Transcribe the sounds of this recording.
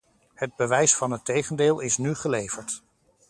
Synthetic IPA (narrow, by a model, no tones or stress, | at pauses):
həd̚bəʋɛjsfɑnɦətejχəndeːlˠɪsnyχəlejv̥əɹt